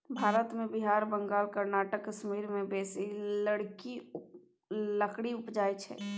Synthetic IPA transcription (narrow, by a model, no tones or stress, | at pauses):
bʱaːɾət̪mẽbiɦaːɾbə̃ŋɡaːlkəɾnaːʈəkːəʃmiːɾmẽbeːsiləɽki | ləkɽiʊpd͡ʒaːjt͡ʃʰɛ̰ː